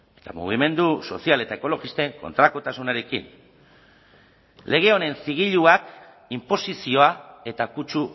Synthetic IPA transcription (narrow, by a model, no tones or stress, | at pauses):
e̞̥t̪amṵɣ̞ime̞nd̪uso̞̰siale̞t̪aeko̞lo̞ɣist̪e̞ŋko̞nt̪ɾako̞t̪asunaɾe̞kḭn | lʔe̞ɣ̞e̞o̞ne̞nsiɣ̞iʎuak | impo̞sisio̞ae̞t̪akut͡ʃu